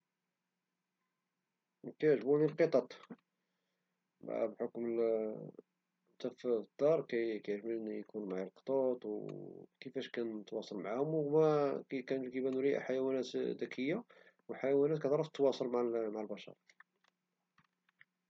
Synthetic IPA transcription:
kæjʕʒbunilqət̪ˤɑt̪ˤ | b̰ʔæ̰bħokmə | d̪æfd̪̥ːɑɾˤkæjkæjʕʒbijkunmaʕalqə̥t̪ˤɑt̪ˤwkəfæʃkænət̪wɑsˤɑlmʕahʊmmækænkəbænuɾiʔħajæwænæt̪d̪ækʰəjːa | wəħajæwænæt̪̚kæt̪ʕɾˤɑft̪ːwɑsˤəlmaʕmaʕəlbɑʃɑ̰ɾˤ

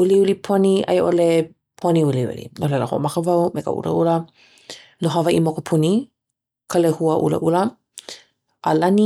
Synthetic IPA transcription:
uliulipʰoniʔɐ̰jʔole | pʰoniuliṵlḭnolɛləho̰ʔo̰makəvawmekə̰ʔṵlə̰ʔulə | noɦavaʔimokopʰuni | kʰəlehuəʔṵlə̰ʔulə | ʔalɐni

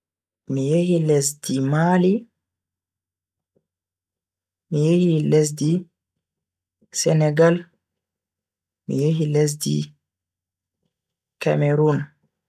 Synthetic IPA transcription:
mijehilɛsdimali | mijehilɛs̬di | sɛnɛɡal | mḭjehilɛs̬dḭ | ka̰meɾun

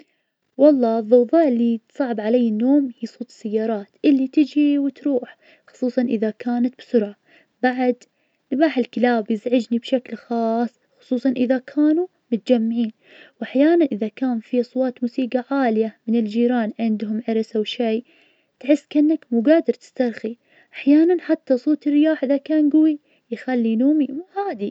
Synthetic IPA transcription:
wɑlˤːɑːɨðˤːʊɣðˤɑːʔɪlːit̪sˤɑʕɪbʕalajːɪnːoːmhiːsˤuːt̪ɨ̥sːajːɑːɾˤɑːt̪ʔɪlːit̪ɪd͡ʒiwɪt̪ɾuːħ | xʊ̥sˤuːsˤɑnʔɪðakaːnat̪̚bsʊɾʕa | b̥aʕad̪ | nbaːħɪlkɪlaːbjɪzʕɪd͡ʒnibʃaklxɑːsˤːxʊ̥sˤuːsˤɑnʔɪðakʰaːnu | mʊt̪̚d͡ʒamːʕiːn | wʔaħjaːnanʔɪðakaːnfisˤwɑːt̪muːsiːɡaʕaːlɪjamɪnɪld͡ʒiːɾaːnʕɪnd̪ɦʊmʕɪɾsawʃej | t̪ʕɪsːkʔɪnːakmuːɡaːd̪ɪɾˤt̪ɪ̥st̪ɑɾˤxi | ʔaħjaːnanħat̪ːasˤoːt̪ɪrːɪjaːħʔɪðakaːnɡʊwi | jxalːinuːmimuːhaːd̪i

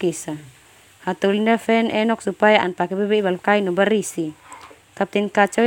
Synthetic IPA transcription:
kisa | hat̪ulindafɛnʔɛnɔk̚supajaanpakɛbɛbɛibalkainɔbaɾisi | t̪ap̚t̪inkat͡ʃɔ

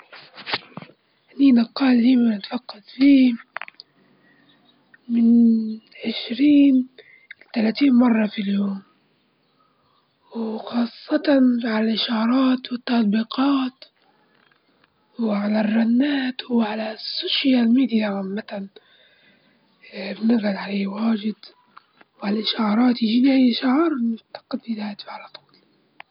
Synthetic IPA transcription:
ʔniːnaqːɑːldiːmanɪt̪fɑqːɑd̪fiː | mɪnʕɪʃɾiːn | t̪alat̪iːnmɑrˤːɑfiljoːm | wxɑːsˤːɑt̪ɑnʕalalʔɪʃɑːɾˤɑːt̪wɪt̪ːɑt̪̚ˤbiːqɑːt̪ | wʕalarˤːanːaːt̪wʕalasːoːʃjalmiːd̪ijaʕamːat̪an | bnɪɣɣalʕaleːwaːd͡ʒɪd̪ | wʕalaʔɪʃɑɾˤɑːt̪jɪd͡ʒiːniʔajʃaʕɑɾˤnʊt̪ːḁqɪd̪id̪aːjt̪fʕalɑt̪ˤu̥bl

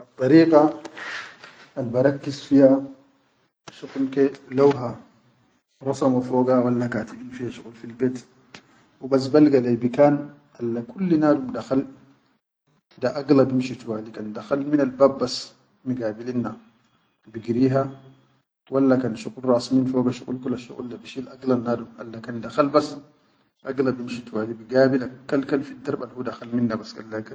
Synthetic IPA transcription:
ʔɑt̪ˤːɑɾiːɡa | lbɑɾˤɑkːizfiha | ʃuklkelawɦa | ɾˤɑsɑmafoːɡawalːakaːt̪iʔinfihaʃuɣulfilbeːt̪ | wibas̬balɡalajbikaːn | ʔalːakulːinaːdumd̪axal | d̪aʔaɡlabimʃit̪waːlikand̪axalmɪnalbaːbːas | miɡaːbilinːa | biɡiɾiːɦa | walːakanʃuqulɾˤɑːsmiːnfoɡaʃṵɣʼṵlkulaʃṵɣṵlːabiʃilʔaɡlanːaːd̪umʔa̰lːakand̪axalbas | ʔaɡlabimʃit̪waːlibiɡaːbilakːalkalfid̪ːɑɾˤbalhudaxalmɪnːabaska̰lːaka

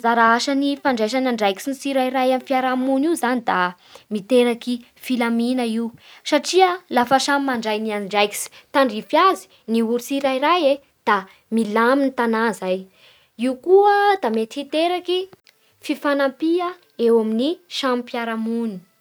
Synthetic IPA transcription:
zaɾaaʃanifaɳɖ͡ʐajʃ̬anaɳɖ͡ʐajki̥sinisiɾaiɾajamifiaɾamuniwzanid̪a | mit̪eɾaki | filaminəiusaʈ͡ʂiəlafaʃamimaɳɖ͡ʐajnianɳɖ͡ʐajki̥si̥t̪aɳɖ͡ʐifjazi̥ | niuɾisiɾajɾaje | d̪̥a | milaminit̪anazaj | iukuəd̪amet̪i̥fit̪eɾaki | fifanampia | ewaminiʃampiaɾamuni̥

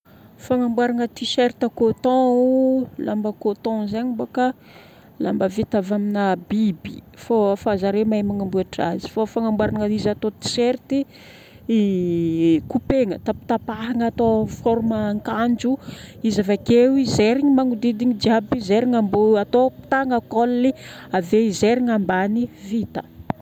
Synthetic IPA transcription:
faŋambwaɾaŋət̪iʃeɾt̪akot̪ɔ̃ | la̰mbəkot̪ɔ̃zaɲiboka | lambəvit̪avaminabibifofazaɾemamaŋambuaʈ͡ʂa̰zi̥fafaŋambwaɾaŋəizat̪ot̪i̥ʃeɾt̪i | kupeŋət̪api̥t̪apaɦaŋat̪ofɔɾməŋkand͡ʒuizavakewizeɾiŋimaŋud̪id̪iŋid͡ʒiabizeɾiŋambuat̪opi̥t̪aŋəkolːi | aveizeɾiŋambanivit̪ə

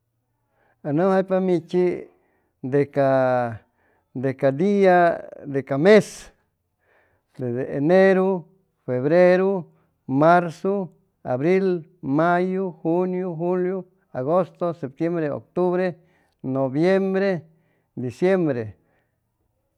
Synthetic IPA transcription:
anohajpamit͡ʃi | d̪eka | d̪ekad̪iad̪ekames | d̪ed̪eeneɾo | feβɾeɾo | maɾso | a̰βɾilmajoxunjoxuljo | aɣost̪osep̚t̪jembɾeo̰k̚t̪uβɾe | nobjembɾe | d̪isjembɾe

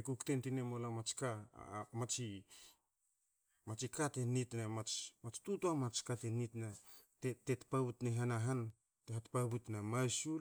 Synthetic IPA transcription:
ekuktentinemolamat͡ʃka̰mat͡ʃi | mat͡ʃikatenitnamat͡ʃmat͡ʃtutuamat͡ʃkatenitnatetetpaβutneɦanaɦan | teɦatpaβutnamajsu

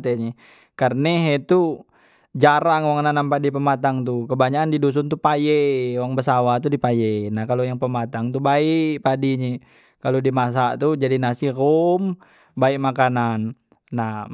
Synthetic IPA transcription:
t̪eɲe | karneɦet̪u | d͡ʒaɾaŋwaŋnanampadipəmat̪aŋt̪ukəbaɲakandidus̬unt̪upajewaŋbəsawat̪udipajɛnahkalojaŋpəmat̪aŋt̪ubaiʔpadiɲɛ | kalodimas̬aʔt̪ud͡ʒadinasirom | baikmakananː | a

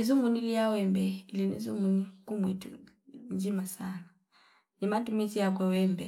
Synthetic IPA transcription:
izumuniliawɛmbɛilinḭzumunikumwɛtṵ | ɲd͡ʒimasana | nimatumisiak̬wɛwɛmbɛ

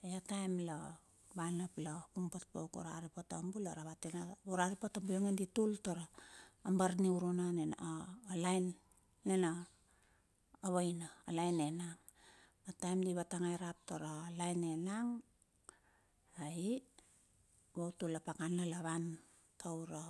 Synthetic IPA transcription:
eatajmla | βanaplapumpat̚bowko̰ɾa̰ɾipotambuloɾaβatenauɾaɾipatambuoŋanditultoɾaːmbaɾniuɾonanenːlajnː | ena | βajnaːlajnenaŋ | atajmdiβataŋajɾap̚toɾalajnenaŋ | ai | βowtulapakanlalaβan | tʰawɾa

